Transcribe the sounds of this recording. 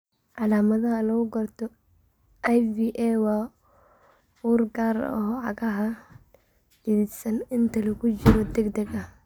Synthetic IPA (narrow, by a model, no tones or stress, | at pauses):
ʕalaːmɐðɐɦɐlɐɣʊɡɐrt̪ʰɔ | ʔajviːʔɛwɑː | wuːrɡaːɾ̰ɔʕɑɣɐɦɐ | iðisɐnɪnt̪ʰɐlɐkʰʊt͡ʃɪɾɔd̪ɛɡd̪ɛɡɐ